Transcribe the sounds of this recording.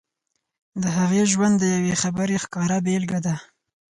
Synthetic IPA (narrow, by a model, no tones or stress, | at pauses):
d̪əɦaɣeʒwand̪ːəjawexabəɾexkɑɾabelɡad̪a